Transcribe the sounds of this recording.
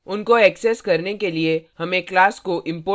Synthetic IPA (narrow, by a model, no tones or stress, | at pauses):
ʊnkoɛːksɛskɐɾnekeliehɐmẽklaːskoʔɪ̃mpoː